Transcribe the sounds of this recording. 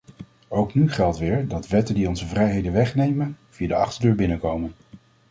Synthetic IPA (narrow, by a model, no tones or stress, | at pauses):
owknyχɛlˠtʋɪːɹdɑtʋɛtəndiɔnzəvrɛjɦejdənʋɛχnejmənv̥ijadəɑ̰χtəɹdøːɹbɪnəkowmən